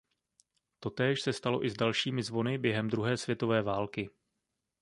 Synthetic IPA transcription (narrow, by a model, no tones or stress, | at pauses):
t̪o̞t̪ɛːʃsɛst̪alo̞̰ʔɪzdalʃiːmɪzvo̞nɪbjɛɦɛmd̪ɾuɦɛːsvjɛt̪o̞vɛːvaːlkɪ